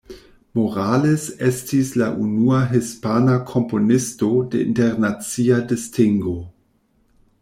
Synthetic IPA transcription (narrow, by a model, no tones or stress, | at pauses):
moɾalesestislaʔunuaɦispanakʰo̞mpo̞nisto̞deḭnteɾnat͡siadistiŋɡo